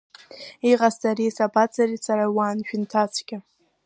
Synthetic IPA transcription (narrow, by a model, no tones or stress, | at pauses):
iʁastʼaɾisabat͡sʰʼarit͡sʰaɾawanʃᶣɪntʰat͡sʰkʲɪ